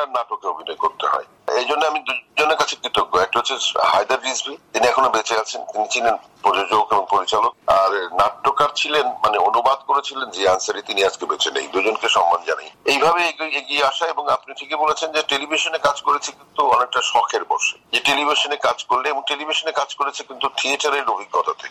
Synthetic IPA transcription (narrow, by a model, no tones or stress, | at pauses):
aɾnaʈokeobʱinɔekoɾt̪eɦɔ̰e | ed͡ʑonːeamid̪ud͡ʑoneɾkat͡ɕʰekɾit̪okːoɛk̚ʈaɦot͡ɕʰeɦajd̪aɾɾizbit̪iniɛkʰonobet͡ɕeat͡ɕʰent̪init͡ɕʰilenpɾɔd͡ʑod͡ʑoɡeboŋpoɾit͡ɕalok̚aɾnaʈːokaɾt͡ɕʰilenmaneonubad̪̚koɾet͡ɕʰilend͡ʑeansaɾit̪iniad͡ʑkebet͡ɕenḛjd̪ud͡ʑonkeʃɔmːand͡ʑana̰jejbʱabeeɡieɡieaʃaeboŋapnit̪ʰikebolet͡ɕʰend͡ʑeʈelibʱiʃonekad͡ʑkoɾet͡ɕʰekint̪uɔnek̚ʈaʃɔkʰeɾbɔ̰ɾʃed͡ʑeʈelibʱiʃonekad͡ʑkoɾleɛboŋʈelibʱiʃonekad͡ʑkoɾet͡ɕʰekint̪ut̪ʰieʈaɾeɾobʱiɡːɔt̪ʰat̪ʰek